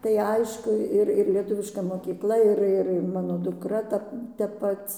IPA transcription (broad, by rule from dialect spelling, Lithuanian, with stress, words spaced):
tɐɪ ˈɐɪʃkʊ ˈɪr ɪr lʲiɛˈtʊʋʲɪʃkɐ moːkʲiːkˈlˠɐ ɪr ˈɪr ɪr ˈmɑːnoː dʊˈkrɐ ˈtɐ tʲɛp ˈpɐt͡s